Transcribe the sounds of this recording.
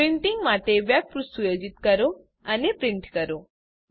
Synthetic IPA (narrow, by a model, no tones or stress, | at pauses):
pɾiɳʈiŋɡmaʈeʋjak̚pɾusujod͡ʒit̪kəɾo | ənepɾiɳʈkəɾo